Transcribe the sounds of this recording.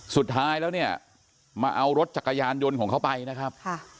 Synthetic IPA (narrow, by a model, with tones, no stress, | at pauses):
su˨˩t̪ʰːaː˦˥jlɛː˦˥wni˥˩ɐ | maː˧ʔa˧wɾo˦˥t̪̚t͡ɕa˨˩kːa˧jaː˧njo˧nkɔː˩˦ŋkʰa˦˥wpa˧jna˦˥kʰa˦˥p̚ʰ